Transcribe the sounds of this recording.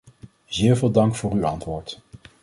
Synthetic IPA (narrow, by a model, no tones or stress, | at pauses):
zɪːɹvɪːlˠdɑŋkfʊːryɑntʋʊːɹt